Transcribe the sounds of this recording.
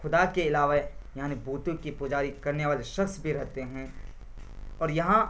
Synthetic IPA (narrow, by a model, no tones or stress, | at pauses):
xʊd̪akeɪlaːʋajaːnibʱuːt̪ʊkipʊd͡ʒaːɾikɐɾneʋaːleʃɐxsbʱiɾɛɦt̪eɦɛ̃ː | ɔːɾjɐɦã